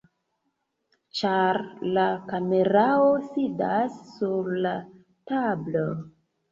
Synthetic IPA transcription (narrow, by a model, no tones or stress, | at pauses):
t͡ʃaɾlakameɾaosidasːuɾla | tablo